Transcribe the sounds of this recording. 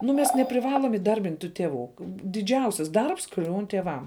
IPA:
nʊ ˈmʲɛs nʲɛpʲrʲɪˈʋɑːlˠoːm iːˈdɐrʲbʲɪnʲtʲ tuː tʲɛˈʋuː dʲɪˈd͡ʒʲɛʊsʲɪs ˈdɐrps ˈklʲuːn tʲiɛˈʋɐm

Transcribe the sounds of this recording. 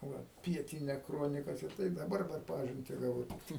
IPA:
ˈʋɐ ˈpʲiɛtʲɪnʲɛ ˈkroːnʲɪkɐs ɪr ˈtɐɪ dɐˈbɐr pʲɛr ˈpɑːʒʲɪnʲtʲɪ ɡɐˈʋɐʊ tʲɪkˈtɐɪ

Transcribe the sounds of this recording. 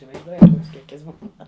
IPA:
ɪsʲɪʋɐɪzˈduɔjɛt ˈkoːks ˈkʲiɛkʲɪs ˈbuːnɐ

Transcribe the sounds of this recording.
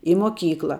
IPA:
ɪ moːˈkʲiːklˠɐ

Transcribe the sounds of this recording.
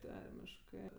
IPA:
ˈtɐrʲmʲɪʃkɜ

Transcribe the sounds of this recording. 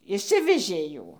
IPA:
ɪʃʲˈsʲɪʋʲɛʒʲeː ˈjuː

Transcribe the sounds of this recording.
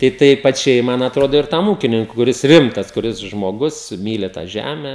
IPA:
tɐɪ ˈtʲɛɪ pɐˈt͡ʃʲɛɪ ˈmɐn ɐtˈroːdoː ɪr ˈtɐm ˈuːkʲɪnʲɪŋkʊ kʊˈrʲɪs ˈrʲɪmtɐs kʊˈrʲɪs ʒmoːˈɡʊs ˈmʲiːlʲɪ tɑː ˈʒʲæmʲɛ

